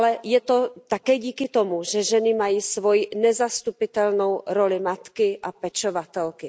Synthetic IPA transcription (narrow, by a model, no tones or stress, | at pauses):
lɛjɛt̪o̞t̪akɛːɟiːkɪt̪o̞muʒɛʒɛnɪmajiːsvo̞jinɛzast̪upɪt̪ɛlno̞wɾo̞lɪmat̪kɪʔapɛt͡ʃovat̪ɛlkɪ